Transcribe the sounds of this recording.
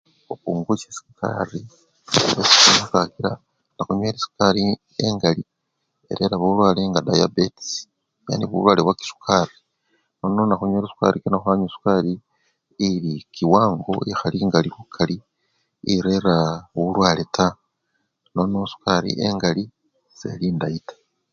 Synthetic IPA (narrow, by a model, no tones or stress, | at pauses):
okuːŋɡusesi̥kʰa̰ri | βesi̥knoukakiɾa | naxuɲweːɾisu̥kaɾi | ḛŋɡali | eɾe̞ɾaβoulwaːleŋɡadajabets | ja̰ːniβṵlwaːleβwaki̥su̥kʰari | nononaxuɲweːɾisu̥ka̰ɾikinoxaːɲosu̥kaɾiː | likiwaːŋɡo̞̰exaliŋɡalikukʰali | iɾe̞ɾaβuulwaːleta | no̞nosu̥kaɾḭʔḛŋɡali | z̥e̞̰liːndaitḁ